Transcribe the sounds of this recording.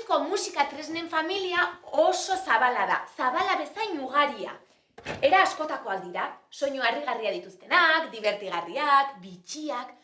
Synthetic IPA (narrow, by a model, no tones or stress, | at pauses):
ko̞musikat̪ɾezne̞ɱfamiliao̞so̞saβalaða̰saβ̞alaβe̞sajɲuɣ̞aɾia̰ | e̞ɾaːsko̞t̪ako̞ald̪iɾaso̞ɲoariɣ̞ariaðit̪ust̪e̞nakd̪iβ̞e̞ɾt̪iɣariakbit͡ʃiak